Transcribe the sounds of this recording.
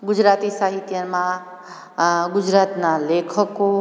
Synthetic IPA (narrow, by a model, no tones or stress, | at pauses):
ɡud͡ʒɾat̪isaɦit̪jəmã | ɡud͡ʒɾat̪nalekʰəko